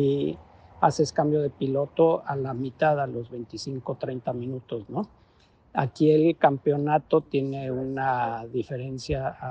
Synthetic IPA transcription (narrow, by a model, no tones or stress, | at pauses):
i | ase̞skambjo̞ð̞e̞pilo̞t̪o̞alamit̪aðelo̞zβe̞jnt̪isiŋko̞t̪ɾejnt̪amĩnut̪o̞zno̞ | a̰kie̞lkampeo̞nat̪o̞t̪je̞neunaðife̞ɾe̞nsja